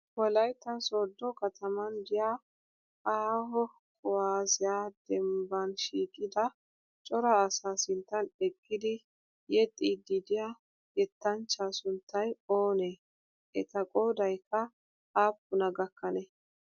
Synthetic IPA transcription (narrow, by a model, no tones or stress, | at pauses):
wɔlɐjt̪ɐsod̪ːɔkɐt̪ʰɐmɐnd̪ɪja | aːɦɔ | kʼʊwaːzɪjaːd̪̥ɛmbɐnʃiːkʼːɪd̪ɐ | t͡ʃʼɔɾaːsaːsɪnt̪ːɐnɛkʼːɪd̪ɪ | jɛt̪ʼːiːd̪id̪ɪja | jɛt̪ːɐnt͡ʃːaːsʊnt̪ʰːɐjo̞ːne | ʔɛt̪ɐkʼoːd̪ɐjkːɐ | aːpːʊnɐɡɐkːɐnɛ